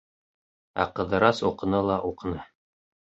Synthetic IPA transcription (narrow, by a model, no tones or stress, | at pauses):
æ̰qɤ̆ðɤ̆ɾɑsuqɤ̆nɤlˠɑʔuqɤ̆nɤ